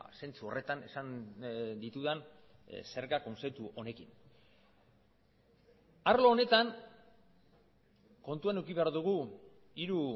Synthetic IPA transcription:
se̞nt͡suo̞rʔe̞t̪ane̞̰sand̪it̪uðan | se̞ɾɣako̞nset̪uʔo̞ne̞kin | aɾloːne̞t̪an | ko̞nt̪uanewkiβe̞aɾðuɣ̞u | iɾu

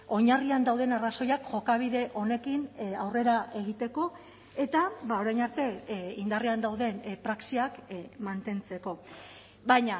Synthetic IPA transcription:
o̞ɲariand̪awð̞e̞naraso̞jakʝo̞kaβ̞iðe̞ʔo̞ne̞kinawre̞ɾaʔe̞ɣ̞it̪e̞ko̞ | e̞t̪aβao̞ɾajnaɾt̪e̞ind̪ariand̪awðe̞npɾaksiakmant̪e̞nt͡se̞ko̞ | βajɲa

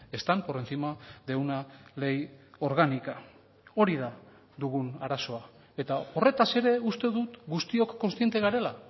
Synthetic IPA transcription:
e̞st̪ampo̞re̞nθimaðe̞wnale̞jo̞ɾɣanika | o̞ɾiða | ðuɣunaɾaso̞a | e̞t̪ao̞re̞t̪ase̞ɾe̞ust̪e̞ðut̪ɡust̪io̞kːo̞nst̪ie̞nt̪e̞ɣaɾe̞la

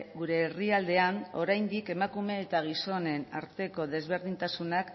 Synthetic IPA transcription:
ɡuɾe̞ːriald̪e̞ano̞̰ɾajnd̪ike̞makume̞ːt̪aɣ̞iso̞ne̞na̰ɾt̪e̞ko̞ðe̞zβe̞ɾð̞int̪asunak

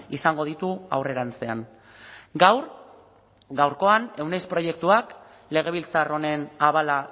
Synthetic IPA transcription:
isaŋɡo̞ðit̪uawre̞ɾant͡se̞an | ɡawr | ɡawɾko̞ane̞wnejspɾo̞je̞k̚t̪uak | le̞ɣ̞e̞β̞ilt͡saro̞ne̞naβala

